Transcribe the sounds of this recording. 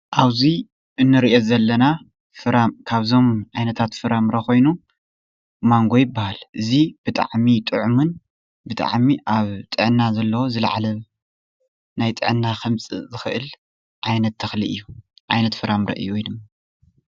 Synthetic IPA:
ʔaβzi | ʔɨnːɨɾiʔezɐlːɐna | fɨɾamkʰaβzo̞mʕajnɐt̪ʰat̪fɨɾamɾɐko̞jnu | maŋɡo̞jɪbːahalʔɨzib̥ɨt̪ʼa̰ʕmit̪ʼɨʕumɨn | bɨt̪ʼa̰ʕmiʔaβt̪ʼɨʕnːazɐlːɐwozɨl̰ʕa̰lɐβ | najt̪ʼɨ̰ʕɨnːaxɨmt͡sʼɨ̰zɨxɨʔɨl | ʕajnɐt̪ʰːɐxlḭʔɨ̰jːuʕa̰jnɐt̪fɨɾamɾʔɐ̰ʔɨ̰jujnɨm

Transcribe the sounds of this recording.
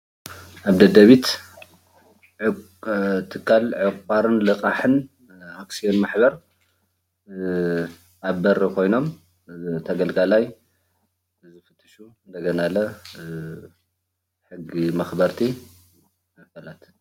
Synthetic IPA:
ʔaβd̪ɐd̪ɐβit̪ | t̪ʰɨkʰːalʕɨkʷʼaɾɨnlɨqʼaħɨn | aksio̞nmaħbɐɾ | ʔaβbɐɾkʰo̞jno̞m | t̪ʰɐɡɐlɡalaj | zɨfɨt̪ʰːɨʃuɨnd̪ɐɡɐnalɐ | ħɨɡimɐxbɐɾt̪ʰi | mɨfɐlat̪ʰ

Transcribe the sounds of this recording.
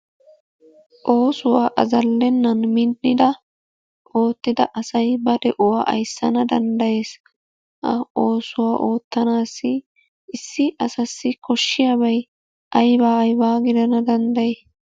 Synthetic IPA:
ʔo̞ːsʊwaːʔɐzɐlːɛnːɐnmɪnʔɪd̪ɐ | ʔo̞ːt̪ːɪd̪ɐʔɐsɐjbɐd̪ɛʔʊwaːʔɐ̰jsːɐnɐd̪ɐnd̪ɐje̞ːs | ɐ̰o̞ːsʊwaːʔo̞ːt̪ːɐnaːsːɪ | ʔɪsːɪʔɐsɐsːɪkɔʃːɪjaːbɐj | ʔɐjbaːɐjbaːɡɪd̪ɐnɐd̪ɐnd̪ɐje

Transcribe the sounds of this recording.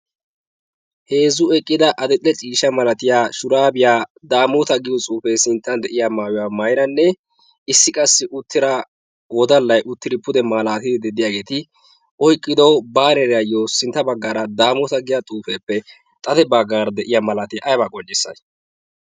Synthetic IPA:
he̞ːzʊɛkʼːɪd̪ɐʔɐd̪ɛt̪ʼːɛt͡ʃʼiːʃɐmɐlɐt̪ɪjaːʃʊɾaːbɪjaːd̪aːmɔt̪ɐɡɪjɔt͡sʼuːfeːsɪnt̪ːɐnd̪ɛʔɪjaːmaːwʊwaːmɐjɾɐnːɛ | ɪsːɪkʼɐsːɪʔʊt̪ʰːɪɾɐ | wɔd̪ɐlːɐjʔʊt̪ːɪɾɪpʊd̪ɛmaːlaːt̪ɪd̪ɪd̪ɛd̪ɪjaːɡe̞ːt̪ɪ | ʔɔjkʼːɪd̪ɐwbaːnɛɾɛjɐjosɪnt̪ːɐbɐɡːaːɾɐd̪aːmɔt̪ɐɡɪjat̪ʼuːfeːpːɛ | t̪ʼɐt̪ɛbɐɡːaːɾɐd̪ɛʔɪjamɐlat̪ɪjaʔɐjbakʼɔnd͡ʒːɪsːɐ̰j

